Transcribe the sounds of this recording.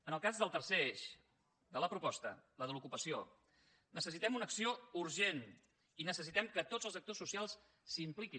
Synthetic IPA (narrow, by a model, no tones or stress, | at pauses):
ənəlˠkazðəlˠt̪ərseeʃ | d̪ələpɾupɔst̪ə̰ləðəlukupəsio̰ | nəsəsit̪ɛmunəksiouɾʒen | inəsəs̬it̪ɛmkət̪od͡zəlˠzək̚t̪osusialˠs | simpliki